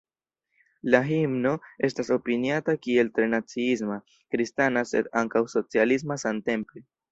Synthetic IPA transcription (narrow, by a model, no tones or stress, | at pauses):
laɦimnoe̞staso̞piniatakie̞ltɾe̞nat͡siis̬ma | kɾistanase̞̰d̪aŋkawso̞t͡sialis̬masante̞mple